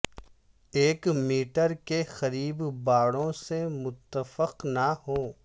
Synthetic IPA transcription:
eːkmiːʈəɾkexɐɾiːbbaːɽõsemʊt̪ːəfəqnaɦoː

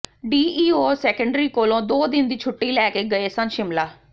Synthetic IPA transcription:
ɖiːʔiːoːsɛːkəɳɖɾiːkoːlõːd̪oːd̪ɪnd̪iːt͡ʃʰʊʈːiːlɛːkeːɡəeːsə̃nʃɪmlaː

